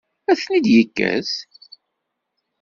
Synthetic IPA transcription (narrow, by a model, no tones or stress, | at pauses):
æθnid̪jəkːæ̰s